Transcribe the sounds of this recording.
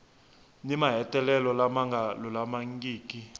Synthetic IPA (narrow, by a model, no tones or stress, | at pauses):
nimaɦɛtʼɛlɛlɔlamaŋɡalɔlamaŋɡʼiːkʼi